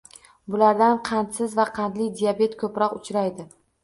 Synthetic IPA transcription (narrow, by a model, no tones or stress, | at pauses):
bʊlaɾd̪anqʰɑnt̪sɪzvaqʰɑnd̪lɪd̪ijabe̞t̪kʰɵpɾɒqʊt͡ʃʰɾajd̪ɪ